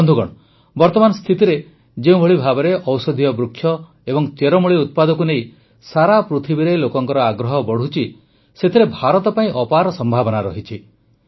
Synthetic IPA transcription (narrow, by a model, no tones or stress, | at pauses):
ɔnd̪ʱuɡɔ̰ɽ̃ɔ | bɔɾt̪ɔmanɔst̪ʰit̪iɾe | d͡ʒeũbʱɔɭibʱabɔɾeʔɔwsɔd̪ʱijɔbɾukʰːjɔ | ebɔŋt͡ʃeɾɔmuɭiut̪̚pad̪ɔk̬unej | saɾapɾut̪ʰibiɾelokɔŋkɔɾɔaɡɾɔɦɔbɔɽ̤ut͡ʃʰi | set̪ʰiɾebʱaɾɔt̪ɔpaĩʔɔpaɾɔsɔmbʱabɔnaɾɔ̰ɦit͡ʃʰi